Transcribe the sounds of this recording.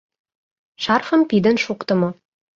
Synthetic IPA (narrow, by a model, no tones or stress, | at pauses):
ʃɑrfə̆mpid̪ɘ̆nʃuqt̪ə̆mo